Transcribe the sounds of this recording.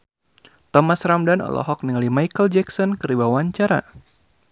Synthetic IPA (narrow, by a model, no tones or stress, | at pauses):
t̪ɔmasɾamdanɔ̰lʔɔ̰ɦɔk̚niŋalimajkəld͡ʒɛksɔnkəɾibawaɲt͡ʃaɾa̰